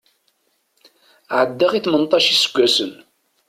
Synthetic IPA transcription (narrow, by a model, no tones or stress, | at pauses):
ʕəd̪ːaʁiθmənt̪ˤɑʃisə̥ɡʷːæsən